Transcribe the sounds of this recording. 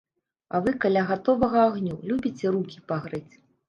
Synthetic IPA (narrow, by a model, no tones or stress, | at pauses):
ɐ̰vɨkɐlʲaɣat̪ɔvɐɣɐːɣnʲulʲubʲit͡sʲɛrukʲi̥paɣɾɨt͡sʲ